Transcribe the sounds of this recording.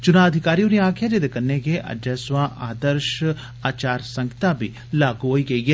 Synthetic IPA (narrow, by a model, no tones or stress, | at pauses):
t͡ʃunaːɐd̪ʱikaːɾijuɾijaːkʰjaːd͡ʒed̪ekɐnːeɡeʔɐ̰djɐsʋãːʔaːd̪ɐɾʃ | aːt͡ʃaːɾsɐŋɡit̪aːbʱi | laːɡuɦoiɡɐje